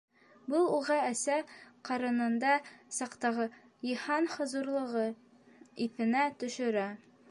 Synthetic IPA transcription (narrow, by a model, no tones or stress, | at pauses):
bɤlˠuʁɑæsæqɑɾɤ̆nɤ̆nd̪ɑsɑqt̪ɑʁɤ | jihɑnhɤ̆zuɾlˠɤ̆ʁɤ | iθɘ̆næt̪ɵ̆ʃɵ̆ɾæ